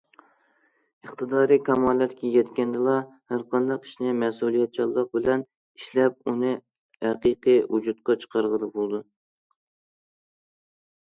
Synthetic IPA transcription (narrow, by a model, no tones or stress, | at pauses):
əχt̪ɨd̪ɑːɾikʲʰɑmɑːlˠɛt̪kʲɛjɛt̪kʲɛnd̪ɨlˠɑhæɾqʰɑnd̪ɑqi̥ʃnɪmɛsulˠijɛt̪̚t͡ʃʰɑlˠːəq̚bɪlɛn | iʃlɛp̚unɨ | ɛqɨqɨud͡ʒut̪̚qɑt͡ʃʰə̥qʰɑɾʁəd̪ɨbolˠd̪u